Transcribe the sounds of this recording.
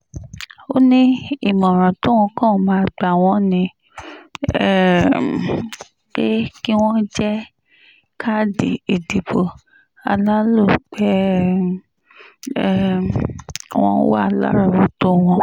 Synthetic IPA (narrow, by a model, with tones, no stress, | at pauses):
o˦nĩ˦i˦˨mɔ̃˨ɾ̃ã˨to˦w̃ɔ̃˧kã˦˨˦mã˧a˧ɡ͡ba˨w̃ɔ̃˧˦nĩ˧ | ɛ˦˨ | k͡pe˦ki˦w̃ɔ̃˦d͡ʒɛ˦ | kʰa˦di˨e˨di˨bo˨ | a˧la˦lo˦˨k͡pɛ˦ | wɔ̰̃˦wa̰˦˨la̰˦ɾa˦˨ɾo˨˦to˦w̃ɔ̃˧